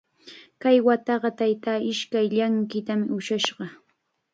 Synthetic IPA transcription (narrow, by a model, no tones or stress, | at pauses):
kajwat̪ɑɢɑt̪ajt̪aːɪʃkajʎaŋkɪt̪amɪʊʃaʃɢɑ